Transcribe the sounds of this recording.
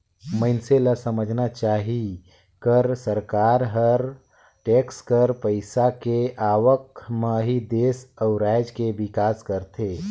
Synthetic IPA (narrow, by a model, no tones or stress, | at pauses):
məɪnseləsəməd͡ʒʱnat͡ʃaːɦi | kəɾsəɾkaɾɦəɾ | ʈekskəɾpəɪsakeaʋəkməɦid̪esəʊɾajd͡ʒkeʋikaːskəɾt̪ʰe